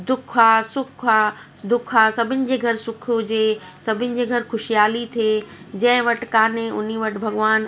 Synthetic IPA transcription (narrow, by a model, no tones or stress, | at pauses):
d̪ʊkʰaːsʊkʰaː | d̪ʊkʰaːsɐbʱɪnɪ̆d͡ʑeːɡʱɐɾsʊkʰʊd͡ʑeː | sɐbʱɪnɪ̆d͡ʑeːɡʱɐɾxʊʃijaːlit̪ʰeː | d͡ʑɐ̃ɦɪ̃ʋɐʈkaːnẽʔʊn̤iʋɐʈbʱɐɡʋaːn